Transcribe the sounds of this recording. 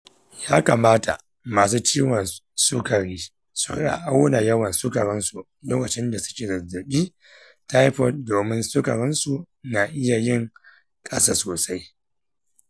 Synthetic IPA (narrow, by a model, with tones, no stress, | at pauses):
jaː˦ka˨maː˦ta̰˨ | maː˨s̬uː˦t͡ʃiː˦wɐ˨nsʊ˦kɐ˨ɾiː˦ | sʊ̰˨˦ɗa̰˨ʔa˦wna˨jɐ˦wɐ˨nsʊ˦kɐ˨ɽɪ˦nsu˨ | loː˦kɐ˨t͡ʃɪ˦nda˨sʊ̥˦kʲeː˨zɐ˨zʊ˨ɗʲiː˦ | ta˦jɸɔ˦˨t̚doː˨mɪ˦nsʊ˦kɐ˨ɾɪ˦nsu˨ | na˨ʔɪ˦ja˨jɪ˦˨ŋ | kʼɐ˦saː˦soː˨sa˦j